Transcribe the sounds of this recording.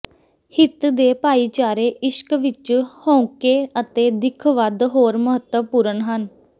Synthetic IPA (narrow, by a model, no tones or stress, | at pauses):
hɪt̪d̪eːpaːiːt͡ʃaːɾeːʔɪʃkʋɪt͡ʃhõːũkeːət̪eːd̪ɪkʰʋəd̪ɦoːɾməɦət̪ːəpuːɾənɦən